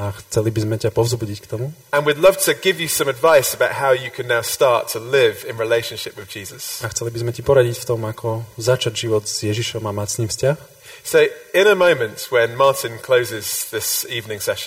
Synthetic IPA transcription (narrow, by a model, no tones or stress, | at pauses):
axt͡sɛlibizmɛcapɔvzbuɟickt̪ɔmuə̃nwɨdˡlʌv̥tʰɨɡɪvjɨsʌ̃mədvaɪsəbaʊt̚ɦaʊjɨkʰɨ̃nːaʊstɑˑtʰəlɪvɪ̃nɹileɪʃə̃nʃɪpwɨðd͡ʒiːzəsaxt͡sɛlibizmɛcipɔɾaɟicft̪ɔmakʰɔzat͡ʃaɟʒiʋɔd̪z̥jɛʒiʃɔmamacsniːfscax | soʊɪ̃ñəmə̃ʊ̃mə̃ntwə̃nmɑɹtɪ̃nkʰl̥oʊzɪzðɪsiːvnɪ̃ŋsɛʃə̃n